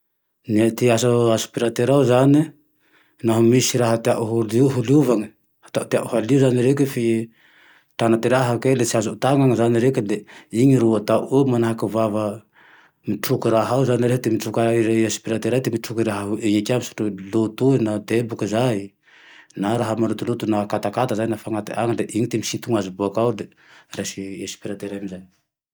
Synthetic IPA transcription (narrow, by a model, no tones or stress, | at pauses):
net̪iasaasu̥piɾat̪eɾawzane | naɦomisiɾaɦat̪eaʔuɦuliuɦuliuvaŋe | hḁt̪at̪eaʔuhaliuzaneɾekefi | tanat̪eɾaɦakelesiasotaŋaŋazaneɾekeleiŋiɾuataʔumanaɦakavava | miʈ͡ʂukuɾaɦawzaniɾeɦad̪emiʈ͡ʂukaiɾeesi̥piɾat̪eɾad̪emiʈ͡ʂukiɾaɦaɦueekʲamiso̥ʈ͡ʂulot̪uinad̪ebukizaj | naɾaɦamanlut̪ulut̪unakat̪akat̪azaɲnafaŋat̪ḭʔaŋəd̪eʔiɲit̪emisint̪uŋazubuakawd̪e | resiesi̥piɾat̪eɾamizaj